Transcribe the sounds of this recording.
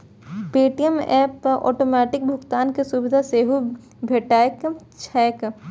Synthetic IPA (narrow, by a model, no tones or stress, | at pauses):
peːʈijəmɛːpɔ̰ːʈoːmɛːʈɪk̚bʱʊkt̪aːnkesubɪd̪ʱaseːɦu | bʱeʈaːjk | t͡ʃʰɛːk